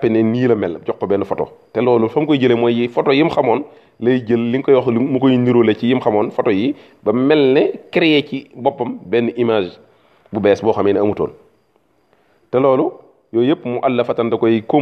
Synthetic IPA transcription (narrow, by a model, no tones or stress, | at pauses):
pinɛniːlɐmɛlɟɔkːɔbɛːnːufɔtɔ̰tɛlɔːlufɐmkɔjɟəlemɔjifɔtɔːjimxɐmɔːn | lɐjɟəlːiŋkɔjɔxmukojiniɾolecijimxɐmɔːnfɔtɔji | bɐmɛlnɛkiɾjɛcibɔpːɐmbɛːnːuʔimaːʒ | bubɛːsbɔːxɐmiːnɐmuto̰ːn | tɛlɔːlu | jɔːjepːmuʔalːɐfɐtɐndɐkɔjiko